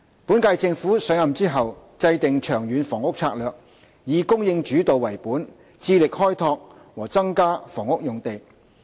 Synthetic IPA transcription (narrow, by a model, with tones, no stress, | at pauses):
puː˨˥nkaː˧jt͡sɪ˧ŋfuː˨˥sœː˨˥ŋjɐ˨mt͡siː˥ɦɐ˨wt͡sɐ˧jt̪ɪ˨ŋt͡ʃʰœː˨˩ŋjyː˨˧nfɔː˨˩ŋʊ˥k̚t͡sʰaː˧k̚lœː˨k̚ | jiː˨˧kʊ˥ŋjɪ˧ŋt͡ʃyː˨˥t̪o˨wwɐ˨˩jpuː˨˥n | t͡siː˧lɪ˨k̚hɔː˥jt̪ʰɔː˧k̚ | wɔː˨˩t͡sɐ˥ŋkaː˥fɔː˨˩ŋʊ˥k̚jʊ˨ŋt̪e˨j